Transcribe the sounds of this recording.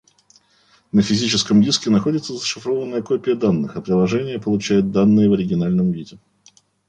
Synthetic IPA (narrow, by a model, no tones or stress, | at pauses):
nəfʲɪzʲit͡ɕɪskəmdʲiskʲɪnɐxo̞dʲɪt̪səzəʂɨfɾovənːəjəkopʲɪjəd̪anːɨxɐpɾʲɪlˠɐʐɛnʲɪjəpəlˠʊt͡ɕæjʊt̪̚d̪anːɨjəvəɾʲɪɡʲɪnalʲnəmvʲidʲɪ